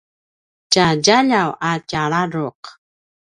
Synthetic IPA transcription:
caɟaʎawacaɭaɾʊq

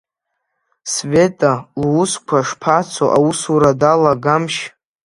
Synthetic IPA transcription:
sve̞tʼalwʊskʷʰaʂpʰat͡sʰoʔausuɾadalaɡamʃ

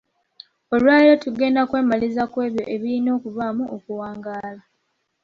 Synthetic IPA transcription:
o̞lwaːiɾotuɡe̞ːndakwe̞ːmalizakwe̞ːβjo̞̰ʔe̞βilino̞ːkuvamuʔokuwaːŋɡaːla

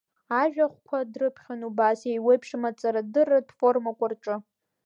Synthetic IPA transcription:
aʒᶣaχʷkʷʰadrɨpʰχʲanubasejwejpʰʂɨmat͡sʼaɾadɨrːadfo̞rmakʷʼarʈ͡ʂʼɨ

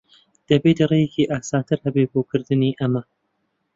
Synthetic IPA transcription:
d̪̥ɐbeːt̪rejekʰiːʔaːsaːt̪ʰɨɾhɐbeboːkʰɨɾd̪ɨniːʔɐmɐ

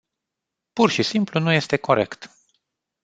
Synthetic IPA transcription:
purʃisimplunuje̞st̪e̞ko̞ɾḛkt̪

